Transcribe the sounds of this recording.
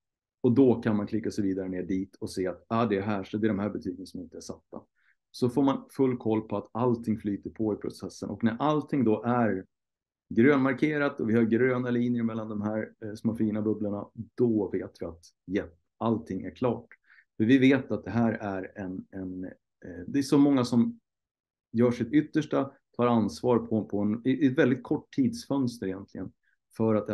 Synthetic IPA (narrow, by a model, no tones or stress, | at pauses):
ɔd̪ɔkʰanmankʰlɪkːasɛviːd̪aɾəneːɖiːt̪ʰɔseːat̪ad̪ɛɦæːʂd̪ɛɖ̪ɔmɦæːbɛt̪ʰyːɡənsɔmɪnt̪əæʂat̪ːa̰ | sɔfoːɾmanfɵlːkʰɔlːpʰɔat̪alt̪ʰɪŋːflyːt̪əɾpʰɔɪpʰɾʊ̰sɛsːə̰nʔɔ̰knæɾʔalt̪ʰɪŋd̪ɔʔæɾ | ɡɾøːnmaɾkʰeːɾat̪ɔvɪhaɾɡɾøːnaliːnjəɾmɛlːand̪ɔmɦæːɾsmafiːnabɵblaɳad̪̥ɔveːt̪vɪat̪ | jɛt | alt̪ʰɪŋːʔæ̰ɾkʰlɑ̰ːʈ | fœɾvɪveːt̪at̪̚d̪ɛɦæːɾæɾɛnɛn | d̪ɛsɔmɔŋːasɔm | jœːʂɪt̪ʏt̪ːəʂʈa | t̪ʰɑːɾansvɑːɾpʰɔpʰɔɛnɛt̪vɛld̪ɪt̪̚kʰɔʈʰːiːd̪sfœnst̪əɾɪjɛnt̪ʰlɪɡən | fœɾat̪̚